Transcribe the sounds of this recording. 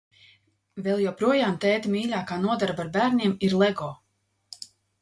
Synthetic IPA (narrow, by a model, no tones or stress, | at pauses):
vɛlˠjɔwpɾuɔjaːmt̪ɛːt̪mʲiːlʲaːkaːnuɔd̪aɾbaɾbæːɾnʲiɛmiɾlˠɛɡɔː